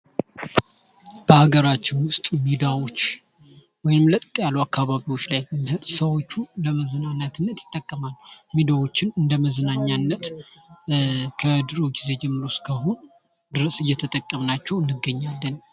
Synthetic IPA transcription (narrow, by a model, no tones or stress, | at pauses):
b̥əhaɡəɾat͡ʃːɪnwʊst̪ʼmid̪awo̞t͡ʃː | wɔjnɨmlət̪ʼt̪ʼjalːuakːaβaβiwo̞t͡ʃːlajbəmhɨɾsəwo̞t͡ʃːuləməzənaɲːat̪ʰɨnːət̪jɪ̥t̪ʼːəkʼːəmalːmid̪awo̞t͡ʃːɪnɨnd̪əməzənaɲːanːət̪ | kʰəd̪ɨɾoɡize̞d͡ʒɛmːɨɾo̞skʰəɦonu | d̪ɨɾəsɨjːɛt̪ʰət̪ʼəkʼːəmnat͡ʃːɛwɨnːɨɡːəɲːalːən